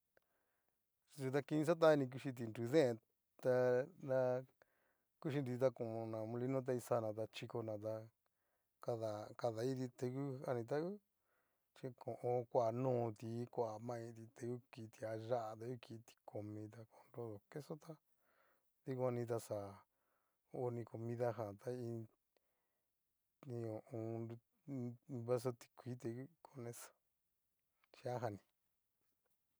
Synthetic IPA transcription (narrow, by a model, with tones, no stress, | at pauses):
t̪u˧t̪a˧ki˧nĩ˧s̬a˦t̪̬a˦˧nĩ˧k̬u˧ʃi˧t̪̬i˧nɾu˧ðẽ˦ẽ˧ | t̪a˧nã˧ | ku˦ʃ̬i˧nɾi˧t̪̬a˧kõ˨õ˧nã˨˧mũ˧li˧˦nõ˦t̪̬a˧i˧sa˧nã˨t̪̬a˧t͡ʃi˧ko˧nã˨t̪̬a˧ | ka˧ða˨ka˧ða˨i˦t̪̬i˧t̪e˧ku˦a˧nĩ˧t̪̬a˦ku˦ | t͡ʃi˧kʰõ˨ʔõ˧kʷa˨nũː˦˨˧t̪i˨˦kʷa˨mã˧ĩ˧t̪i˧t̪e˧ku˦ki˧t̪i˨˧a˧ʒa˦ʔa˧t̪a˧ku˦ki˧t̪i̥˧kʰo˧mĩ˧t̪̬a˧ko˧nɾo˧ðo˨ke˦so˦t̪a˦ | ði˧kʷa˧nĩ˧t̪̬a˧sa˨ | o˧˦nĩ˧ko˧mĩ˧ða˧ɦã˨t̪a˦ĩ˧ | ĩ˧õ˨ũ˧nu˧ | βa˦s̬o˧t̪i̥˧kʷi˨˦t̪e˧ku˦kʰo˦nẽ˧sḁ˧ | t͡ʃi˧a˦ɦa˧nĩ˧